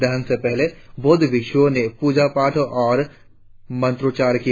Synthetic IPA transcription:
d̪ɐɦənsepɛɦleboːd̪ʱbɪkʃõnepuːd͡ʒapaːʈʰʔɔːɾ | mɐ̃nt̪ɾoːt͡ʃaːɾki

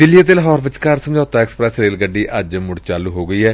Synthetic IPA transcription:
d̪ɪlijaːt̪̬eːləɦɔːɾbɪt͡ʃkəɾsəmd͡ʒaːt̪aːɛːksə̥pɾɛːsɾeːlɡəɖːiːʔəd͡ʒmʊɽt͡ʃaːluːɦoːɡəiːɛː

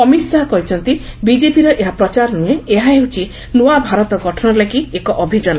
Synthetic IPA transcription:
ɔmisaɦɔkɔɦit͡ʃʰɔnt̪ibid͡ʒepiɾɔʔeɦapɾɔt͡ʃaɾnueeɦaɦewt͡ʃʰi | nuabʱaɾɔt̪ɔɡɔʈʰɔnɔlaɡiekɔʔɔbʱid͡ʒɔnɔ

